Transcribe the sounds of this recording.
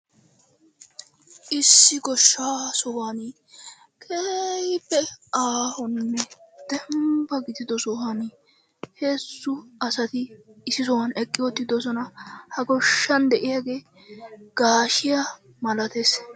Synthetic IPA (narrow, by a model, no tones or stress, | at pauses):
ʔɪsːɪɡɔʃːaːsɔwaːni | kʰejpːɛʔaːhɔnːɛd̪̥ɛmbɐɡɪd̪ɪd̪ɔsɔwani | he̞ːsːʊɐsɐt̪ɪːsɪs̬ɔwɐnɛkʼːɪwɔt̪ːɪd̪ɔs̬ɔnɐhɐɡɔʃːɐnd̪ɛʔɪjaɡe̞ː | ɡ̥aːʃɪja | mɐlɐt̪es